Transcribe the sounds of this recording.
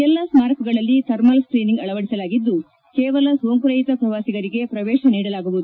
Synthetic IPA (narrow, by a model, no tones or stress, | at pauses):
ɛlːɐsmaːɾkɐɡɐɭɐlːit̪ʰɐɾmɐlskɾiːniŋɡɐɭɐʋɐɽisɐlaːɡid̪ːu | kɛːʋɐlɐsʋomkuɾɐjit̪ɐpɾɐʋaːsiɡɐɾiɡe̞pɾɐʋɛːʃɐniːɽɐlaːɡuʋud̪u